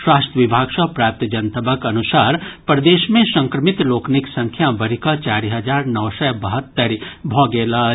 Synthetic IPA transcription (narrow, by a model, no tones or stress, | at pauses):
swaːst̪əʋibʱaːɡsɐpɾaːp̚t̪d͡ʒənt̪əbəkɐnusaːɾpɾəd̪eːʃmẽsə̃ŋkɾəmɪt̪loːkniksɐ̃ŋkʰjabɐɾikət͡ʃaːɾiɦəd͡ʒaːɾnɐːsɛbɐɦət̪ːəɾbʱɔ̃ːɡeːla